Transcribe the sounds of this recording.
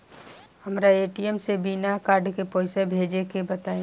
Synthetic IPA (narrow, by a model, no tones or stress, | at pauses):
həmɾaeːʈiemsebinakaːɾɖkepɔːɪsebʱeːd͡ʒekebət̪aːẽ